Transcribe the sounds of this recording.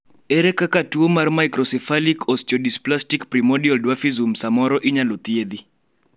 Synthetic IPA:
ɛɾɛkakatuomarmaikɾɔsɛfalikʰɔst͡ʃɔdisplastikpɾimɔdiɔldwafizumsamɔɾɔʔiɲalɔt̪ied̪i

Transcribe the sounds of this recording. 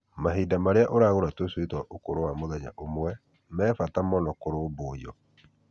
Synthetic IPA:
maɦiːdamaɾeaʔoɾaɣoɾatweswetwaʔokoɾowamoðɛɲa̰ʔomwɛ | mɛːfatamɔnɔkoɾoːboiɔ

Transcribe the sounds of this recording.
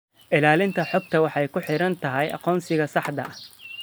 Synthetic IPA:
ʔɪlaːlɪnt̪ʰɐħɔːɡ̚t̪ʰɐwɑħɑjkʰʊħɪɾɐnt̪ʰɐɦɛjʔɑ̰qɔːnsɪɣɐsɑħd̪ɐ̰ʔɐ

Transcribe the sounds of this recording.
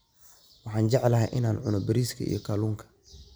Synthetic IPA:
wɑħɑːnd͡ʒɛʕlɐɦɛjʔɪnaːnʕʊnɔbɐɾiːskʰɐ̰ḭjɔkʰaːluːŋkʰɐ̥

